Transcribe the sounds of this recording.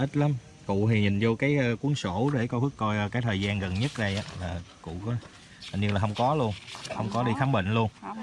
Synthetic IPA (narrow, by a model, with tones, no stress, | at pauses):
ʔi˦˥t̚la˨˦m | kʊ̰˧˨t̪ʰi˨˩ɲï˨˩ŋ̟zo˧kaː˨˦jku˨˦əŋso˧˩ɗe˧˩kɔ˧˦hɨ˦˥ək̚kɔ˧jkaː˨˦jt̪ʰəː˨˩jzaː˧nɣə˨˩nɲə˦˥t̚ɗə˧jʔaː˨˦laː˨˩kʊ̰˧˨kɔ˨˦˨ | ɲɨ˧laː˨˩hə˧wŋ͡mkɔ˨˦lu˧ənxə˧wŋ͡mkɔ˨˦ɗi˧xaː˨˦mɓḭ˧˨ŋ̟lu˧ən